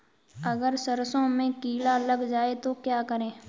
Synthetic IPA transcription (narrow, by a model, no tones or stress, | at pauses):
əɡəɾsəɾsõmẽkiːlaləɡd͡ʒaːet̪okjaːkəɾẽː